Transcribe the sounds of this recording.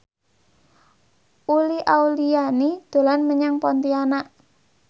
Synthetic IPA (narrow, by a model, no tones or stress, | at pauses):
ʔuliʔaulijanid̪̥o̤lanməɲaŋpɔnt̪ianaʔ